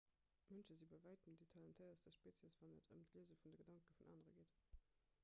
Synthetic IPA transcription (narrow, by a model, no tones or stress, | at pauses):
mənʃəzibɑɪvæɪtəmditʰɑlɑntʰɛɪɐsd̥ɛʃpeːt͡sjɛsv̥ɑnətʰə̰mtʰliəzəfundəɡədɑŋkəfunʔɑ̰ːnəʁə̰ɡit